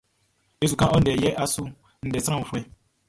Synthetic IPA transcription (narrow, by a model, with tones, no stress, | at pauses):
e˦˨s̬u˨kã˦ʔɔ˦n̩˦˨ɛ˨jɛ˦ʔa˦sʊ˦ | n̩˨dɛ˨sɾ̃ã˦˨u˨fɛ˦